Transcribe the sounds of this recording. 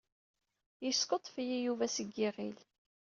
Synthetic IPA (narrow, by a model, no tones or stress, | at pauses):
jəskot̪ˤfijijuvæsəɡːiʁil